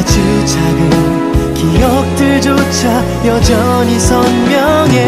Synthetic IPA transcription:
t͡ɕɯ | t͡ɕʰaɡɯ | kijʌk̚t͈ɯɭd͡ʑot͡ɕʰa | jʌd͡ʑʌ | ɲisʰʌnmjʌŋe

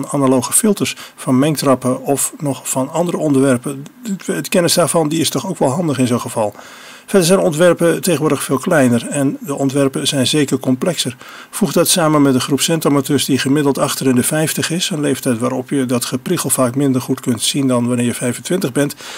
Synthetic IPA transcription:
nanalowχəfɪlˠtərsfɑnmɛŋktrɑpəɔfnɔχfɑnɑndəɾəɔndəʋɛrpə | əkɛnəsdaːɹvɑndiɪstɔχowkʋɛlˠɦɑndəχɪnzowχəv̥ɑlˠ | fɛdəɹzɛjnɔntʋɛrpəteɣənʋoːɹdəxfɪːlˠklɛjnərɛndəʔɔntʋɛrpəzɛjnzeːkərkɔmplɛksər | fuχdɑtsaːmənmɛtənχrupsɛntamatøːɹsdiχəmɪdəl̩ˠtɑχtərɪndəfɛjftəχɪsənlejftɛjtʋaːɾɔpjədɑtχəpriχəlˠvaːkmɪndərχutkɵntsindɑnʋanɪːɹjəfɛjvəntʋɪntəχbɛnt

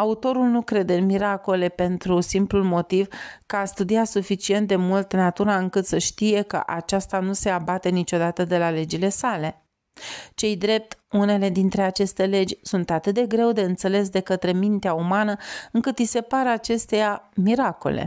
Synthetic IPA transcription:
aut̪o̞ɾulnukɾe̞d̪eɨnmiɾako̞le̞pe̞nt̪ɾusimplulmo̞t̪ivkəast̪ud̪iat̪sufit͡ʃie̞nt̪̚d̪e̞mult̪nat̪uɾaɨŋkɨt̪səʃt̪ije̞kə̰ʔat͡ʃast̪anuse̞abat̪e̞nit͡ʃo̞d̪at̪əd̪e̞lale̞d͡ʒile̞sale̞ | t͡ʃe̞jd̪ɾe̞p̚t̪une̞le̞d̪int̪ɾe̞at͡ʃe̞st̪e̞le̞d͡ʒʲsunt̪at̪ɨt̪̚d̪e̞ɡɾe̞wd̪e̞ɨnt̪se̞le̞s̬d̪e̞kət̪ɾe̞mint̪eaumanəɨŋkɨt̪ijse̞paɾəat͡ʃe̞st̪ejamiɾako̞̰lḛ

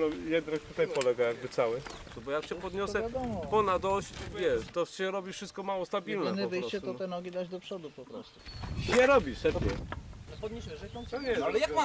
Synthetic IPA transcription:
lɔjɛd̪nak̚t̪ut̪ajpɔlɛɡajaɡ̚bɘt̪sawɘ | nɔbɔjakɕɛpɔd̪ɲɔsɛpɔnad̪ɔɕt͡ɕvʲjɛʂt̪ɔɕɛɾɔbʲifʂɨst̪̚kɔmawɔst̪abʲilnɛnəpvɘjt͡ɕɛt̪ɔɛnɔɡʲid̪ad͡ʑd̪ɔpʂɔd̪upɔpɾɔst̪u̥ɕɛɾɔbʲiʂsɛpɛ̰pd̪ɲɔɛlja

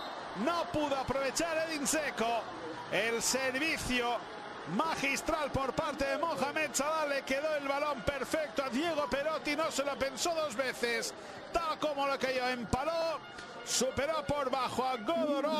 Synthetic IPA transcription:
nopuðoapɾoβ̞et͡ʃaɾelinseko | elseɾβiθjo | maxist̪ɾalpoɾpaɾt̪eðemoŋxamed̪̚t͡ʃaβalːekeðoelβalompeɾfek̚t̪oaðje̞ɣ̞opeɾot̪inoselopensoðozβeθes | t̪alkomolokejoempalo | supe̞ɾopoɾβaxoaɣoðoɾo

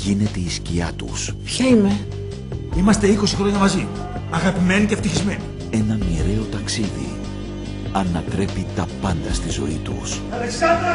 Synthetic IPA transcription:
ʝine̞t̪e̞isciɐt̪ṵspçɐime | imɐst̪e̞iko̞si̥xɾo̞ɲɐmɐzi | ɐɣɐpime̞niceft̪içizme̞ni | e̞nɐmiɾe̞o̞t̪ɐksiðḭ | ɐnɐt̪ɾe̞pit̪ɐpɐnd̪ɐst̪izo̞̰it̪ṵs

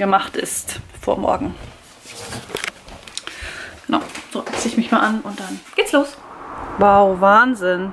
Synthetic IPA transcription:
ɡ̥əmaχtɪ̰stfo̰ːɐmɔ̰ɐɡŋ̩ | ɡ̥əna̰ʊz̥oːʔsɪçmɪçmaːlʔanʔʊnt̚d̥anɡ̥eːtsloːswaʊvaːnzɪn

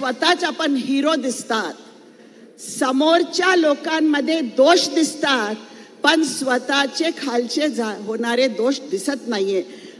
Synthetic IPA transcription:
ʋət̪at͡sapəɳɦiɾod̪ist̪at̪̚ | səmoɾt͡ɕjalokamːəd̪ʱːjed̪oʂʈd̪ist̪at̪̚pəɳsʋət̪at͡ɕekʰalt͡ɕed͡zaɦoɳ̃aɾed̪oʂd̪isət̪najẽ

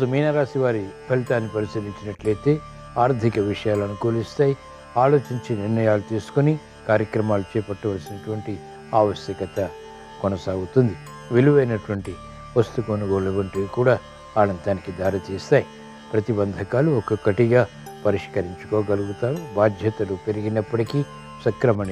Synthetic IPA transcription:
sɐmiːnɐɾaːsiʋaːɾipʰɐlit̪aːnːipɐɾisɐɾiɲt͡ʃinɐʈleːt̪e̞ː | aːɾd̪ʱikɐʋiʂɐjaːlɐnukoːlist̪aːji | aːlo̞ːt͡ʃiɲt͡ʃeːniɾnɐjaːlut̪iːsu̥kuni | kaːɾjɐkɾɐmaːlut͡ʃɛːpɐʈːɐʋɐlsinɐʈuʋɐɳʈi | aːʋɐʃjɐkɐt̪ɐ | kɔnɐsaːɡut̪und̪i | ʋiluʋɐjnɐʈuʋɐɳʈi | ʋɐst̪ukonuɡo̞ːlɐʋɐɳʈukuːɽaː | aːnɐnt̪aːnikid̪aːɾɐt̪iːst̪aːji | pɾɐt̪ibɐnd̪ʱɐkaːluɔkɐkɐʈiɡaː | pɐɾiʂkɐɾiɲt͡ʃu̥koːɡɐluɡut̪aːɾubaːd̪ʱjɐt̪ɐlupeɾiɡinɐpːɐʈikiː | sɐkɾɐmɐni

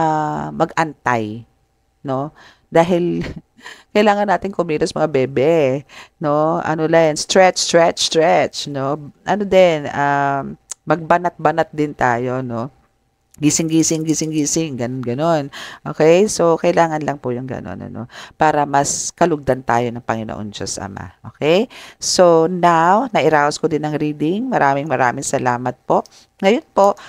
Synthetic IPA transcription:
amɐɡʔɐnt̪aj | no̞ | d̪aːɦɪl | kɐjlaːŋɐnːaːt̪ɪŋkʊmiːɾɐsɐmɐŋabɛːbɛno̞ʔɐ̰nolanst̪ɹɛt͡ʃst̪ɹɛt͡ʃst̪ɹɛt͡ʃno̞ʔɐnod̪ɛna | mɐɡ̚bɐnɐt̪̚bɐnat̪̚d̪ɪnt̪a̰ːjo̞no̞ | ɡisɪŋɡiːsɪŋɡisɪŋɡiːsɪŋɡɐnonɡɐno̞nʔoːkɛjso̞kɐʔɪlaːŋɐnlɐŋpʊjʊŋɡɐ̰no̰nɐ̰no̰paːɾɐmɐskɐlʊɡ̚d̪ant̪a̰ːjo̞nɐŋpɐŋɪno̰ʔo̰nd͡ʒo̰sʔɐ̰ma̰ʔo̰kɛjsonawnɐʔɪɾaːwɐskod̪ɪnɐŋɾiːd̪ɪŋmɐɾaːmɪŋmɐɾaːmɪŋsɐlaːmɐt̪̚po̞ʔ | ŋɐjonpoʔ

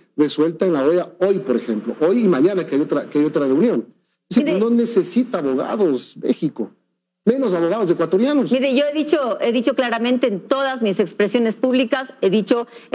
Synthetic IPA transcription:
reswe̞lt̪aenlaojaojpo̞ɾexemplo̰ʔojimãɲãnakeajot̪ɾakeajot̪ɾareunjo̞n | isiiɾnone̞sesit̪aːβoɣa̰ðozmḛxiko | mẽ̞no̞s̬aβoɣaðo̞zekwat̪o̞ɾjanosmiɾeʝoeðit͡ʃoe̞ðit͡ʃo̞klaɾamẽnt̪e̞ːnt̪o̞ðazmise̞kspɾesjo̞ne̞spuβlikaseðit͡ʃo

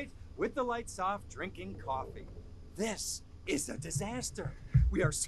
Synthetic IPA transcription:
ɪt̚wɨðəlaɪtsɔfdɹɪ̃ŋkɪ̃ŋkʰɔfḭ | ðɪs | ɪzɨdɨzæstə˞wiə˞s

